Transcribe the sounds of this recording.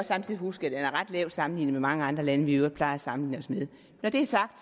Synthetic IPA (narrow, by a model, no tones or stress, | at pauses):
ɒ̽sɑ̈mt͡sʰið̰ˠihusɡ̥æd̥enæɐʁɑ̈d̥lɛʊ̰sɑ̈mn̩lḭːnəmemɑ̈ŋəɑ̈nd̥ʁɐlænəʋiøʊd̥̚pʰlɑ̈ɪɐæsɑ̈mn̩lḭːnəɒ̽smeð̞ˠ | nɒd̥e̝æɐsɑ̈ɡ̥̚d̥